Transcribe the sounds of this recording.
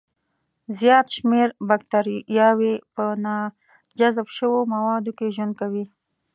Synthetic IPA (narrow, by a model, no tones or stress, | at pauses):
zjɑt̪ʃmeɾbak̚t̪aɾijɑwepənɑ | d͡ʒazbʃəwomawɑd̪okeʒwənd̪̚kawi